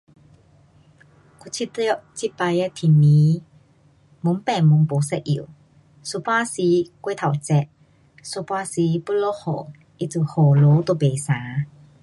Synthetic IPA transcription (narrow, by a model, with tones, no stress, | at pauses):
kʰu˧t͡ɕʰi˦t̪ɔ˧ʔt͡ɕʰi˧˥pa˧jɛ˧˥t̪ʰi˨mi˨˦ | mu˧˦ŋpɛ˨˩˨mu˨˦ŋbo˨˦sɛ˧ʔʔḭ˨˩˨w | su˧˨pwa˧˥˨si˧˦kwe˥˨t̪ʰa˨˩wt͡sɛ˧ʔ | so˧˨pwaː˧˥si˧˦pu˧˥lɔ˦˥hɔ˨˩ | ʔi˧t͡su˧˨ho˨˩lo˨˦t̪o˧˨be˨saː˨˦